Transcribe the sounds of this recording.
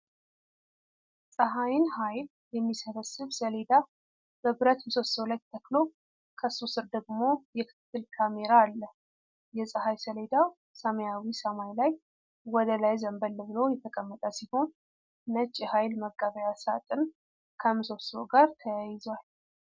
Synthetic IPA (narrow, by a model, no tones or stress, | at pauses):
sʼəɦajɪnhajl | jɛmːisəβəsɨβsəle̞d̪a | b̥əbɨɾət̪msot̪səwlajt̪ʰːəklo | kʰəsusɨɾd̪əɡmo̞jɛkʰɨ̥t̪ʰːɨlkʰame̞ɾaːlːə | jɛsʼəhajsəle̞d̪aw | səməjawisəmajlaj | wɔd̪əlajzəmbəlːəβlo̞jɛt̪ʰəkʼəmːət̪ʼəsiho̞nː | ət͡ʃʼːihajlməkʼːaβəjasat̪ʼɨn | kʰəmːɨso̞swɡaɾt̪ʰəjajɪzwal